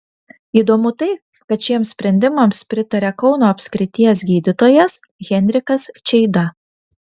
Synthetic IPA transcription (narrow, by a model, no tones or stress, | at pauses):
iːd̪oːmʊt̪ɐɪ | kɐt̪ʃʲiɛmssʲpʲɾʲɛnʲd̪ʲɪmɐmspʲɾʲɪt̪ɐɾʲɛkɒʊnoːɐpʲsʲkɾʲɪt̪ʲijɛsɡʲiːd̪ʲɪt̪oːjɛs | ɣʲɛnʲɾʲɪkɐst͡ʃʲɛɪd̪ɐ